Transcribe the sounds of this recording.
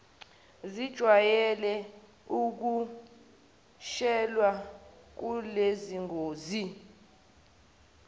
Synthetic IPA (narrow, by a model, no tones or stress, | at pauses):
zid̥ʒ̥ʱwajɛlɛ | uk̬u | ʃɛlwa | k̬uleziŋoːzi